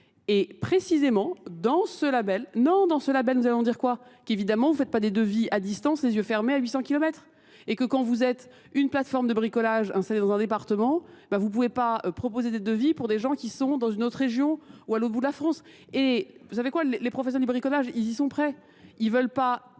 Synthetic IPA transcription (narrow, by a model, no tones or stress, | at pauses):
epχesizemɑ̃d̪ɑ̃səlabɛlnɔ̃d̪ɑ̃səlabɛlnuzalɔ̃d̪iʁkwakevid̪amɑ̃vufɛt̪̚pad̪ed̪əviad̪ist̪ɑ̃slezjøfɛʁmeaɥisɑ̃kʲilɔmɛt̪χ | ekəkɑ̃vuzɛt̪ | ynplat̪fɔʁmd̪əbʁikɔlaʒɛ̃st̪aled̪ɑ̃zɛ̃d̪epaʁt̪əmɑ̃ebãvup̬uvepaøpχɔpozed̪ed̪əvipuʁd̪eʒɑ̃kʲisɔ̃d̪ɑ̃zynot̪χʁeʒjɔ̃ualot̪bud̪əlafχɑ̃s | evusavekwalelepχɔfɛs̬ɛʁd̪ibʁikɔlaʒilzisɔ̃pχɛ | ilvœlpa